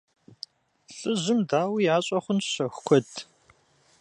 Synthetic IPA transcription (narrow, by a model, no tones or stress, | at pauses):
ɬʼɨʑɪmdaːwijaːɕʼɐχʷʊnɕɐxʷkʷʰɔdʰ